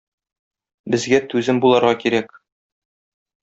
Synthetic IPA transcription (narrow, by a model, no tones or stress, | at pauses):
bɘ̆zɡæt̪ʉzɘmbulˠɑɾʁɑkiɾæk